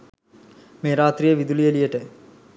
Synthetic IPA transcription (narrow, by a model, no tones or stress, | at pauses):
meːɾaːt̪ɾijəʋid̪ulijəlijəʈə